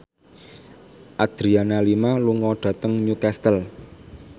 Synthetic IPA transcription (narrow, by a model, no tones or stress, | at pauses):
ʔad̪̥ɾianalimaluŋɔɖ̪̥ä̤t̪əŋɲukɛst̪əl